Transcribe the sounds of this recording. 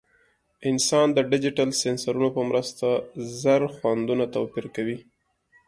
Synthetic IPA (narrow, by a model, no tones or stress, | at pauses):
ɪnsɑnd̪əɖɪd͡ʒɪʈalsensaɾunopəmɾəst̪azaɾxwand̪unat̪awpiɾkawi